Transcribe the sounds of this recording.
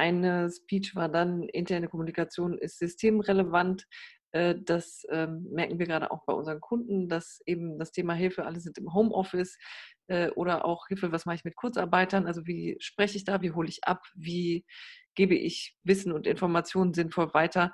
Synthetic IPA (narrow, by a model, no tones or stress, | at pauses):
ʔaɪnəspiːt͡ʃv̥aːɐdanʔɪ̰ntʰɛɐnəkʰɔmunikat͡sjoːnɪ̰stz̥ʏstʰeːmʁeləvantʔɛːd̥asʔɛːmmɛɐkŋ̩viːɐɡʁaːɾə̰ʔa̰ʊxb̥aɪʔʊ̰nzəʁənkʰʊndn̩dasʔeːbm̩dastʰeːmaɦɪlfəʔa̰ləzɪntɪmɦoʊmʔɔfɪsʔɛːʔoːɾɐʔa̰ʊxhɪlfəvasmaχəɪçmɪt̚kʰʊɐt͡sa̰ɐbaɪtɐnʔalzoviːʃpʁ̥ɛçəɪçd̥aːviːɦoːləɪçʔa̰pviːɡ̥eːbəʔɪ̰çvɪsn̩ʊntɪnfɔɐmat͡sjoːnənzɪnfɔlvaɪtʰɐ